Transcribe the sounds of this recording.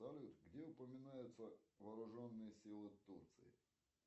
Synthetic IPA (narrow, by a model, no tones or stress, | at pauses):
ɐlʲut̪ɡdʲeʊpəmʲɪnajʊt̪səvɐːɾʊʐonːɨjəsʲilˠɪt̪urt̪sɨ̰ɪ̰